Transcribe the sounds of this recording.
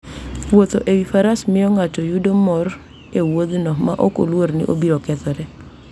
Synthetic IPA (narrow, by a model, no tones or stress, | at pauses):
wot̪oʔewifaɾasmɪjɔŋat͡ʃɔjudomɔr | ewod̪nɔma̰ʔɔko̰lwoɾnɪ̰ʔobiɾɔkɛt̪ɔɾɛ